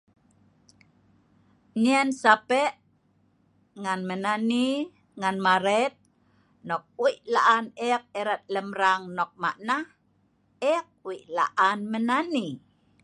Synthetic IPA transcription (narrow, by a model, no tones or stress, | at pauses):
ɲiansapeʔ | ŋanmənani | ŋanmaɾɛt̪̚ | nɔk̚uiʔlaʔanɛk̚eɾat̪̚ləmɾaŋnɔk̚ma̰ʔnah | ɛk̚wiʔla̰ʔanmənani